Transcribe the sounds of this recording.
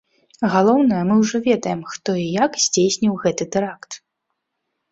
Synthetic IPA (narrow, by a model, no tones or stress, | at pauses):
ɣalˠɔwnɐjɐmɨwʐɔvʲɛd̪ɐjɛmxt̪ɔijakzʲd͡zʲejsʲnʲiwɣɛt̪ɨt̪ɨɾakt̪